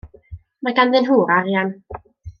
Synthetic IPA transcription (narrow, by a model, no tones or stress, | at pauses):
makand̪ɪnɦuːɾaɾjɛn